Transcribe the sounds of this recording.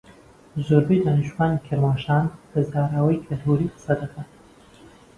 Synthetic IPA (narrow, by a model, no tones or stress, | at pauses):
zuɾbejd̪aːnɪʃuwaːnikʰɐɾmaːʃaːnbɐzaːɾaːwɐjkʰɐlt̪ʰuːɾiːqsɐd̪ɐkʰɐn